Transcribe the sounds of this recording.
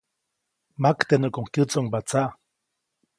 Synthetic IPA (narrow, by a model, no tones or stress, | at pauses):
makt̪enəkoŋkjɨt͡soŋbat͡saʔ